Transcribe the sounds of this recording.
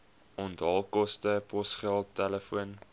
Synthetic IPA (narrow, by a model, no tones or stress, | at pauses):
ɔntɑlˠkɔstəpɔsχælˠtːɛləfuən